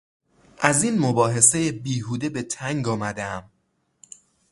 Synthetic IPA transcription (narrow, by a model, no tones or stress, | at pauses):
ʔæziːnmobɒːɦe̞se̞jebiːhuːd̪e̞be̞t̪ʰæŋɡɒːmæd̪eæm